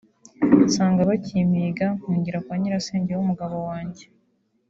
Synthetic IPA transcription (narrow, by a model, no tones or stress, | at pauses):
saːŋɡaβacimiɡamuːɲɟiɾakwaːɲiɾaseːɲɟewumuɡaβo̞waːɲɟe